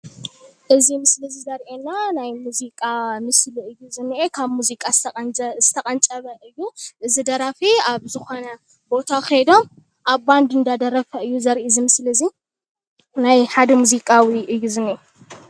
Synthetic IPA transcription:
ʔɨzimɨslɨzizɐɾʔenːanajmuzikʼamɨsliɨjːuzɨnːiʔekʰaβmuzikʼazɨt̪ʰɐkʼɐnt͡sʼɐβɐʔɨjːuʔɨzid̪ɐɾafiaβzɨxo̞nɐ | bo̞t̪ʰaxed̪o̞m | ʔaβband̪ɨnd̪ad̪ɐɾɐfɐɨjːuzɐɾʔizimɨslɐzi | najħad̪ɐmuzikʼawiʔɨjːuzɨnːiʔe

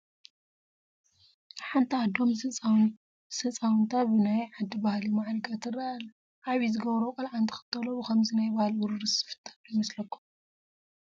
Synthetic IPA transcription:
ħant̪ʰiad̪o̞msɨ | sɐt͡sʼawnt̪ʰabɨnajʕad̪ːibahlimaʕɾɨɡat̪ʰɨrːal | ʔaβizɨɡɐβɾokʼɐlʕant̪ʰɨ̥xɨ̥t̪ʰʼːɐlobɨkʰɐmzinajbahlwʊɾɨɾɨsɨ̥fɨ̥t̪ʰʼḁnojmɐslɐkːum

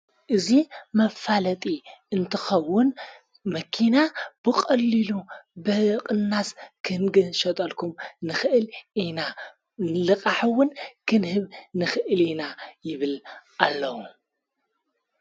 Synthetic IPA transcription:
ʔɨzimɐfalɐt̪ʼiɨnt̪ʰɨxɐwːʊn | mɐkʰinab̥ɨkʼɐlːilubɨqʼɨnːaskʰɨnɡɨʃɐt̪ʼɐlkʰumnɨxɨʔɨlʔina | nɨlɨkʼaħɨwːʊnkʰɨnhɨβnɨxɨʔɨlinajɪβɨlʔalːɐwu

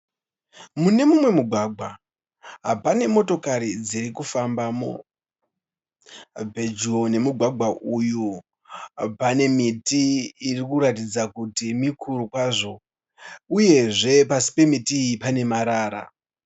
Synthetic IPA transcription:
mune̞mumwe̞muɡʱwaɡʱwa | ɦapane̞mo̞to̞kaɾid͡ziɾikufambamo̰ | bʱed͡ʒuone̞muɡʱwaɡʱwaʔuju | pane̞mitiːrikuɾatid͡zakutimikʰuɾukwaʐo̞ | uje̞ʐe̞pasi̥pe̞mitiipane̞maɾaːɾa̰

